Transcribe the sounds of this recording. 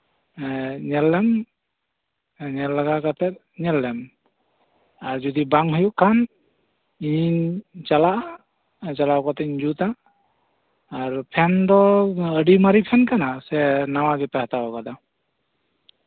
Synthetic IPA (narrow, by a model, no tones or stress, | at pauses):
ɲɛlːɛm | ɲɛlːaɡakat̪ɛt̪̚ | ɲɛlːɛm | aɾd͡ʒɔd̪ibaŋɦujuʔkʰːan | iɲit͡ʃalaʔ | t͡ʃalakat̪ɛɲd͡ʒut̪a | ɾpʰɛnd̪ɔəɖimaɾipʰɛnkanasɛnawaɡɛpahat̪abɔkad̪a